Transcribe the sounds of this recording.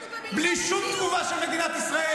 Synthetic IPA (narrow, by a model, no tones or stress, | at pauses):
bliʃut̪uvasumed̪inat̪isɾɐɛ